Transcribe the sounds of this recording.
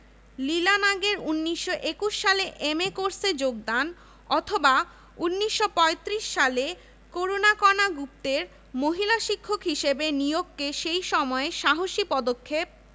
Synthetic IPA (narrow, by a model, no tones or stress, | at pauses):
lilanaɡeɾunːiʃːoʔekuʃːaleʔemekoɾsed͡ʑoɡ̚d̪an | ɔt̪ʰoba | unːiʃːopɔet̪ɾiʃːale | koɾonakɔnaɡup̚t̪eɾ | moɦilaʃikʰːokɦiʃebenijoɡkeʃejʃɔmɔeʃaɦoʃipɔd̪okʰːep̚